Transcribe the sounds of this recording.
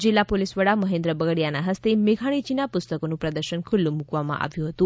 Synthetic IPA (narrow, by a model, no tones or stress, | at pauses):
d͡ʒilːapolisʋəɽaməɦẽnd̪ɾəbəɡəɽijanaɦəst̪emeɡʱaɽ̃id͡ʒinapʊst̪əkonũpɾəd̪əɾʃənkʰulːumukʋamã̰ʔa̰ʋjũɦət̪ũ